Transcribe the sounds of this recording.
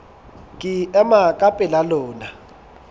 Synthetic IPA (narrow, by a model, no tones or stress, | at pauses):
kʼiɛmakʼapʼɛlalɔːna